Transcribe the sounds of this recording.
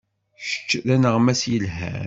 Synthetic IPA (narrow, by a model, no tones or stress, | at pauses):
ʃə̥t͡ʃːðænəʁmæsjəlɦæ̰